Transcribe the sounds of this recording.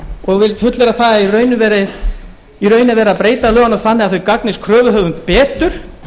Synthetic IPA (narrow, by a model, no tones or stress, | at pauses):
ɔɣvɪlfʏt̪lɛɾaθaːɣairœːɥnʏvɛːɾɪ | irœːɥnɪvɛːɾapɾeːjt̪alœːɣanaθanːɪɣaðθœɥkaknɪskʰɾœːvʏɦœːvʏnt̪̚pɛːt̪ʏɾ̥